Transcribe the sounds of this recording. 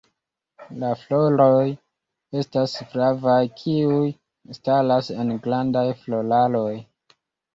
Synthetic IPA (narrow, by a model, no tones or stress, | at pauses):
laflo̞loj | e̞stasfɾavajkʰiuj | stalase̞nɡlandajflo̞lalo̞j